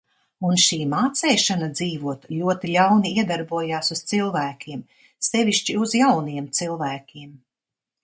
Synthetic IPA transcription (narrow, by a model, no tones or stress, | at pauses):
unʃiːmaːt̪sɛjʃanad̪ziːvuɔt̪lʲuɔt̪ilʲawniiɛd̪aɾbuɔjaːsuz̥t̪silˠvæːkʲʰiɛm | sɛvʲiʃt͡ʃiuzjawniɛmt̪silˠvæːkʲiɛm